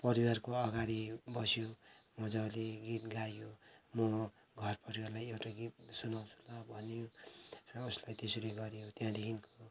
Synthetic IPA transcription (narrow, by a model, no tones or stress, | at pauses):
pʌɾiwarkoʌɡaɾibʌsjomʌd͡zʌleɡit̪̚ɡajomʌ | ɡʱʌrpʌɾiwarlajewʈaɡit̪̚sunaw̃t͡sʰu̥lʌbʱʌnejo | uslajt̪esoleɡʌɾijot̪jãd̪ekʰinko